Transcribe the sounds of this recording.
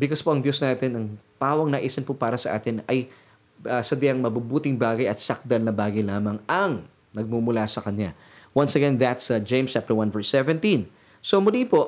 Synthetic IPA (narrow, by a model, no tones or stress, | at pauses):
bɪkospoʔɐŋd̪jo̞snaːt̪ɪnɐŋpaːwɐŋnaʔisɐnpopaːɾɐsɐʔa̰ːt̪ɪnɐj | ɐsɐd̪ɪɐŋmɐbubuːt̪ɪŋbaːɡɐjɐt̪̚sɐk̚d̪ɐlnɐbaːɡɐjlaːmɐŋɐŋ | nɐɡ̚mumʊlasɐkɐɲa | wɐnsɐɡɛnðɐt̪sɐd͡ʒẽjmst͡ʃap̚t̪ɛɹwãnvɛɹsɛvɛnt̪ĩn | somʊlipo